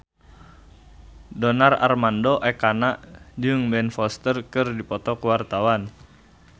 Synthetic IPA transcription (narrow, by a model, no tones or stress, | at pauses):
dɔnara̰rmandoʔɛkanaʔd͡ʒɨŋbɛnfɔst̪ərkɨrdipɔt̪ɔkəwart̪awan